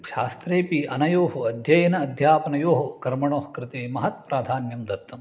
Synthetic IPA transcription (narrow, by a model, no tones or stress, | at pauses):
ʃaːst̪ɾeːpiʔɐnɐjoːɦoɐd̪ʱjɐjɐnɐːd̪ʱjaːpɐnɐjoːɦokɐɾmɐɳoːhkɾɪt̪emɐɦɐt̪̚pɾaːd̪ʱaːnjɐmd̪ɐɾt̪ːɐm